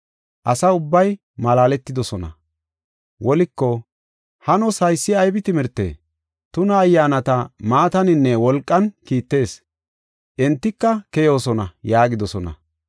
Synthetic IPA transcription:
ʔɐsɐʊbːɐj | mɐlaːlɛt̪ːɪd̪ɔsɔnɐ̰ | wɔlɪkːɔ | hɐnɔsɐjsːɪɐjbɪt̪ɪmɪɾt̪ːḛː | t̪ʊnɐːjːaːnɐt̪ɐmaːt̪ɐnɪnːɛwɔlkʼːɐnkiːt̪ːe̞ːs | ʔɛnt̪ːɪkːɐkɛjo̞ːsɔnɐjaːɡɪd̪ɔsɔnɐ̰

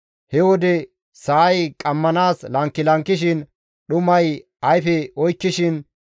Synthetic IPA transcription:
hɛwɔd̪ɛ | sɐːjkʼɐmːɐnaːslɐŋkːɪlɐŋkːɪʃ̬ɪn | ɗʊmɐj | ɐjfɛɔjkːɪʃɪn

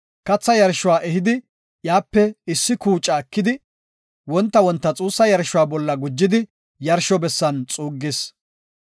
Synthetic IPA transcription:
kɐt͡sːɐjɐɾʃʊwaːʔɛɦɪd̪ɪ | jaːpːɛɪsːɪkuːt͡ʃʼɐkːɪd̪ɪ | wɔnt̪ːɐwɔnt̪ːɐt͡sʼuːsːɐjɐɾʃʊwaːbɔlːɐɡʊd͡ʒːɪd̪ɪ | jɐɾʃɔbɛsːɐnt͡sʼuːɡːes

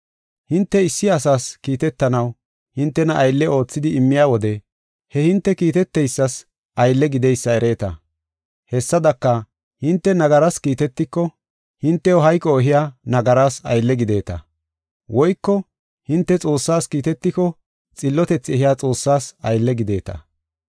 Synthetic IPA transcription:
hɪnt̪ːɛɪsːɪɐsaːskiːt̪ɛt̪ːɐnɐw | hɪnt̪ːɛnɐʔɐjlːɛo̞ːt͡sːɪd̪ɪːmːɪjaːwɔd̪ɛ | hɛhɪnt̪ːɛkiːt̪ɛt̪ːɛjsːɐs | ʔɐjlːɛɡɪd̪ɛjsːɐɛɾe̞ːt̪ɐ̰ | hɛsːɐd̪ɐkːɐ | hɪnt̪ːɛnɐɡɐɾaskiːt̪ɛt̪ːɪkːɔ | hɪnt̪ːɛjɔɦɐjkʼːɔɔɦɪjaːnɐɡɐɾaːsɐ̰jlːɛɡɪd̪e̞ːt̪ɐ̰ | wʔɔjkːɔ | hɪnt̪ːɛt͡sʼo̞ːsːaːskiːt̪ɛt̪ːɪkɔ | t͡sʼɪlːɔt̪ɛt͡sːɪɛɦɪjaːt͡sʼo̞ːsːaːsɐjlːɛɡɪd̪e̞ːt̪ɐ̰

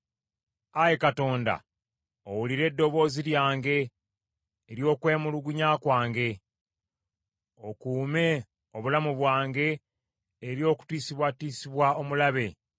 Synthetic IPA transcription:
aje̞kato̞ːnda̰ | owuliɾe̞dːo̞βo̞ːziɾjaːŋɡe̞ː | ɾjo̞ːkwe̞ːmuluɡuɲaːkwaːŋɡe̞ | o̞kuːme̞ | o̞βulamuβwaːŋɡe̞ː | ɾjo̞ːku̥twiːsiβwatiːsiβwao̞mulaβe̞

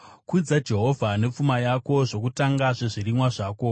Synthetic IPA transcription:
kud͡zad͡ʒe̞ɦovʱane̞p͡fumajako̞ʐo̞kutaŋɡaʐe̞ʐirimwaʐaːko̞

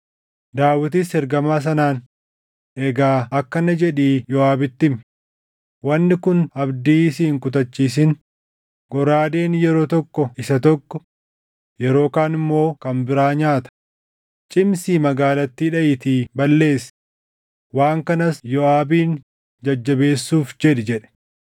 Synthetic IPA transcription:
d̪aːwɪt̪̬ɪshɛɾɡɐmaːs̬ɐnaːn | ɛɡaːɐkːɐnɐd͡ʒɛᶑiːjɔaːbɪt̪ːɪm | wɐnːɪkʊnɐbd̪iːsɪɪŋkʊt̪̬ɐt͡ʃːiːs̬ɪn | ɡɔɾaːd̪e̞ːnjɛɾo̞ːt̪ɔkːɔɪsɐt̪ɔkːɔ | jɛɾo̞ːkaːnɪmːo̞ːkɐmbɪɾaːɲaːt̪ɐ̥ | t͡ʃʼɪmsiːmɐɡaːlɐt̪ːiːᶑɐʔɪt̪iːbɐlːe̞ːs | waːŋkɐnɐsjɔaːbiːn | d͡ʒɐd͡ʒːɐbe̞ːsːuːfd͡ʒɛᶑɪd͡ʒɛᶑɛ̥

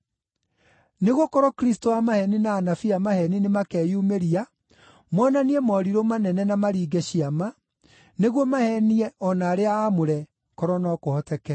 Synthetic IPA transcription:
neɣokɔɾɔkɾis̬toamahɛninaːnafiamahɛninemakɛːjumeɾia | mɔnaniɛmɔɾiɾomanɛnɛnamaɾiːɡɛɕiama | neɣwomahɛniɛɔnaːɾeaːmoɾɛ | kɔɾɔnɔkohɔtɛkɛ

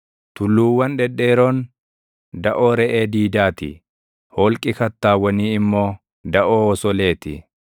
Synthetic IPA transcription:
t̪ʊlːuːwːɐnᶑɛᶑe̞ːɾoːn | d̪ɐʔoːɾɛʔeːd̪iːd̪aːt̪ɪ̰ | hɔːlkʼɪkɐt̪ːaːwːɐniːɪmːo̞ː | d̪ɐʔoːɔsɔle̞ːt̪ɪ

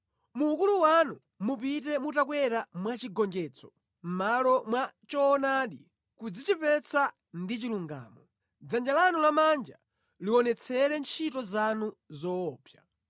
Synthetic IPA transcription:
muːkuluwanu | mupitɛmutakwɛɾamwat͡ʃiɡɔŋd͡ʒɛt͡sɔ̥ | m̩malɔmwat͡ʃɔːnaɗi | kud͡zit͡ʃipɛt͡sʰa | ndit͡ʃiluŋɡa̰ːmɔ | d͡zand͡ʒalanulamand͡ʒa | liɔnɛt͡sʰɛɾɛnt͡ʃʰitɔzanuzɔːpja

